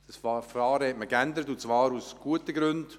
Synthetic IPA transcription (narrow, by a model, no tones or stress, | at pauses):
d̥ɑsfɑːɾəhɛtməkændəɾətunt͡sʋɑːɾusɡ̥uətəɡɾʉnd̥